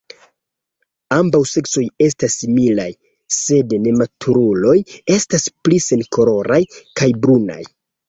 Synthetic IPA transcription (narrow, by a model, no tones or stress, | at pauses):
ambawse̞kso̞je̞stasːimila̰j | se̞dne̞matʰuɾulo̞je̞stasplise̞nko̞ɾo̞ɾajkajbɾuna̰j